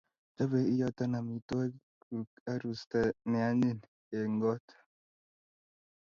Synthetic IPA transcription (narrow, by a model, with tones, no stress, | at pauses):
d͡ʒa˦be˨i˦jɔ˦ta˦na˨mi˨tɔ˦ | ku˨ka˦ɾu˨sta˨nɪ˨a˦ni˦˨n | e˨ŋɡɔ˦tḁ˨